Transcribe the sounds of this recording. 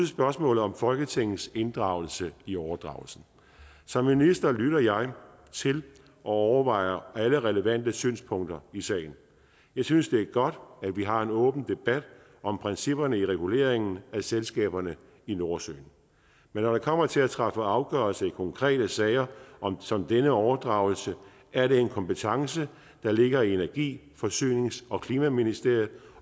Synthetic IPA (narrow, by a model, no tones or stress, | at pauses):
sb̥ɶɐsmɔ̰̽ːlð̩ˠɒ̽mfɒ̽lɡ̥ət͡sʰe̝ŋ̰n̩se̝nd̥ʁɑ̈ʊl̩səiɒʊɐd̥ʁɑ̈ʊl̩sn̩ | sɒ̽mːinisd̥ɐlyɾɐjɑ̈ɪ | t͡sʰe̝l | ʔɒ̽ɒʊɐʋɑ̈ɪɐæləʁɛləʋæn̰d̥əsy̰ːnspʰɔ̽ŋ̰d̥ɐisɛ̰ːɪn̩ | jɑ̈ɪsynsd̥e̝æɐɡ̥ɒ̽d̥æ̥ʋiɦɑ̈e̝nɔ̽ːb̥n̩d̥e̝b̥æd̥ | ɒ̽mpʰʁɛnsib̥ɐnəiʁɛɡ̥ule̝̰ːɐeŋn̩æselsɡ̥ɛ̰ːb̥ɐnə | ino̝ɐsø̰ːn̩ | menːɒɾ̥ɑ̈kʰɒ̽m̰ɐt͡sʰe̝læt͡sʰʁɑfəɑ̈ʊɡ̥œɐlsəikʰɒ̽ŋkʰʁɛ̰ːɾ̥əsɛɪɐʔɒ̽msɒ̽md̥enəɒʊɐd̥ʁɑ̈ʊl̩sə | ʔæɐɾe̝e̝nkʰɒ̽mpət͡sʰɑ̈ŋsə | d̥ɑ̈le̝ɡ̥ɐienæɐɡ̥ḭː | fɒ̽sy̰ːne̝ŋsɒ̽kʰliːmæminisd̥e̝ɐ̰jð̩ˠ